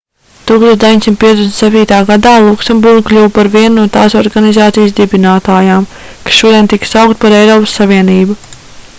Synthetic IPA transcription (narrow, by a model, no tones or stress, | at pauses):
t̪uːkst̪ot̪d̪eʋiɲʲsimt̪piɛt̪d̪esnt̪sɛp̚ʲt̪iːt̪aːɡad̪aːlˠuksɛmbuɾɡ̚klʲuwpaɾviɛnnuɔt̪aːsɔɾɡanizaːt̪sijsd̪ibinaːt̪aːjaːmkḁsʃuɔd̪iɛnt̪iksawkt̪̚paɾɛjɾɔːpə̥sːaviɛniːbu